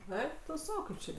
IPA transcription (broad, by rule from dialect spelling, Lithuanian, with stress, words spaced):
ˈɛɪk tʊ ˈsɐʊ ˈkɐɪp t͡ʃʲɛ